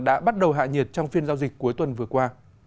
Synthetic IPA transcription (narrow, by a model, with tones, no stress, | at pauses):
ɗa̰ː˧˥ɓa˦˥t̚ɗə˨˩wɦa̰ː˧˨ɲi˨˩ət̚t͡ɕɔ˧wŋ͡mfi˧ənzaː˧wzï˨˩k̚ku˨˦əjt̪wə˨˩nvɨ˨˩əkwaː˧